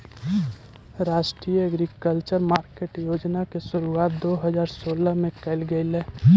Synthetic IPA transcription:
ɾaːʃʈɾiːjəəɡɾikəlt͡ʃəɾmaːɾkeːʈjoːd͡ʒnakesʊɾuaːt̪̚d̪oːɦəd͡ʒaːɾsoːləɦmẽkɛɪlɡəɪlɛː

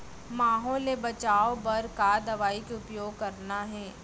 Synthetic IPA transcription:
maːɦɔːlebɐt͡ʃaːobɐɾkad̪ɐʋaːikeʊpjoːɡ̚kɐɾnaɦɛː

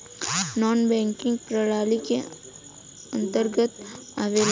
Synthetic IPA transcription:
nɔːnbɛ̃ːŋkɪ̃ŋɡpɾəɽaːlike | ə̃nt̪əɾɡət̪aʋeːl

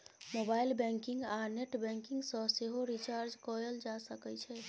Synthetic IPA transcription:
mobailbɛ̃ŋkiŋɡaneʈbɛ̃ŋkiŋɡsə̃seɦoɾit͡ʃaɾd͡ʒkɔeld͡ʒasəkɛt͡ʃʰɛ

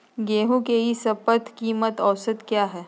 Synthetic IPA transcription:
ɡeːɦũkeɦisɐpət̪ʰkiːmət̪ɔːsət̪kjaːɦɛː

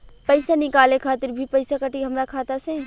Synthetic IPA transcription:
pəɪsanɪkaːlekʰaːt̪ɪɾbʱipəɪsakəʈiɦəmɾakʰaːt̪asẽ

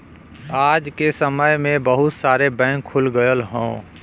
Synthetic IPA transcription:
aːd͡ʒkesəməjmẽbəɦʊt̪saːɾebɛ̃ːŋkʰːʊlɡəjəlɦõ̰ː

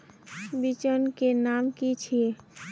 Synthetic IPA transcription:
bit͡ʃənkenaːmkit͡ʃʰie

